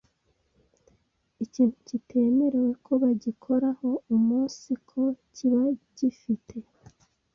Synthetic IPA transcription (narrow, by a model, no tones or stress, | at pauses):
iciːn̥hucitʰe̞ːme̞ɾe̞we̞kʰo̞βaɟikʰo̞ɾaho̞umuːnsikʰo̞ciβaɟifitʰe̞